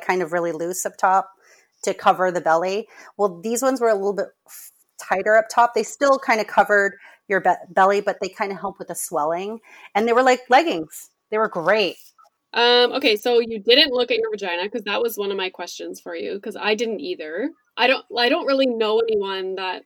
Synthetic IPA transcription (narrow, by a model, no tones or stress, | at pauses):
kʰãɪ̃ndʌvɹɪlˠilʉsʌp̚tʰɑp̚ | tʰɨkʰʌvə˞ðɨbɛlˠiwɛlˠðizwʌ̃nzwə˞əlɪɾl̩ˠbɪt̚ | tʰaɪɾə˞ʌp̚tʰɑp̚ðeɪstɪlˠkʰãɪ̃ndɨkʰʌvə˞d̚ | jə˞bɛbɛlˠibʌt̪̚ðeɪkʰãɪ̃ndɨɦɛlˠp̚t̚wɨðɨswɛlˠɪ̃ŋ | ɨ̃nðeɪwə˞laɪklɛɡɪ̃ŋz̥ | ðeɪwə˞ɡɹeɪt̚ | ʔʌ̃mʔoʊkʰeɪsoʊjɨdɪdⁿn̩ʔˡlʊkɨt̚ə˞d͡ʒãɪñɨkʌzðɨʔ̚wʌzwʌ̃nʌvmaɪkʰw̥ɛst͡ʃɨ̃nz̥fə˞jʉ̰kʰʌza̰ɪdɪdⁿn̩tiðə˞ | ʔaɪɾõʊ̃naɪɾõʊ̃nʔ̚ɹɪlˠinoʊɛniwʌ̃nðət̚